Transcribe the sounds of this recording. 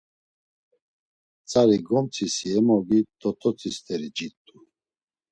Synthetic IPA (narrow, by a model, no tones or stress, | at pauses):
t͡sʼaɾiɡɔmt͡sʰisiɛmɔɡit̪ʼɔt̪ʰʼɔt͡sʰʼist̪ʰʼɛɾid͡ʒit̪ʼːu